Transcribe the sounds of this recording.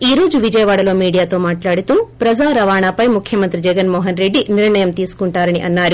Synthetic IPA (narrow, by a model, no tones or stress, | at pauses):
iːɾo̞ːd͡ʒuʋid͡ʒɐjɐʋaːɽɐlo̞ːmiːɽijaːt̪o̞ːmaːʈlaːɽut̪uːpɾɐd͡ʒaːɾɐʋaːɳapɐjmukʰjɐmɐnt̪ɾid͡ʒɛɡɐnmɔːɦɐnɾeɖːiniɾɳɐjɐmt̪iːsu̥kuɳʈaːɾɐniʔɐnːaːɾu